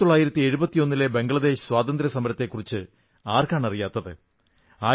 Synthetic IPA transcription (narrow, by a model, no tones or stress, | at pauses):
t̪oɭːaːjiɾɐt̪ːieɻubɐt̪ːijo̞nːile̞be̞ŋɡɐɭɐd̪e̞ːɕɨ̥swaːt̪ɐnd̪ɾɐsɐmɐɾɐt̪ːe̞kːurit͡ɕːɨ | aːrkaːɳɐrijaːt̪ːɐðɨ | aː